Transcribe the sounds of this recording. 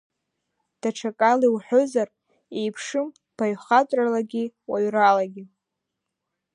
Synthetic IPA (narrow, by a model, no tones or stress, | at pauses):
d̥aʈ͡ʂʰakʼaliwħʷᶣozar | e̞jpʰʂɨm | b̥aɥχatʼralaɡʲiwaɥralaɡʲi